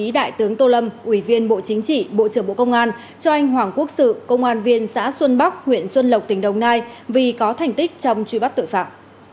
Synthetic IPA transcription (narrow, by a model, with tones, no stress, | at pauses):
i˨˦ɗa̰ː˧˨jt̪ɨ˨˦əŋt̪o˧lə˧mʔwi˧˩vi˧ənɓo̰˧˨t͡ɕï˨˦ŋ̟t͡ɕḭ˧˨ɓo̰˧˨t͡ɕɨ˧˩əŋɓo̰˧˨kə˧wŋ͡mʔaː˧n | t͡ɕɔ˧ʔa˧jŋ̟ɦwaː˨˩ŋku˦˥ək̚sɨ̰˧˨kə˧wŋ͡mʔaː˧nvi˧ənsa̰ː˧˥swə˧nɓa˦˥k̚hwḭ˧˨ənswə˧nlə˨˩w̚k͡p̚t̪ï˨˩ŋ̟ɗə˨˩wŋ͡mnaː˧jvi˨˩kɔ˨˦t̪ʰa˨˩jŋ̟t̪ï˦˥k̚t͡ɕɔ˧wŋ͡mt͡ɕwi˧ɓa˦˥k̚t̪jfaː˧˩t̚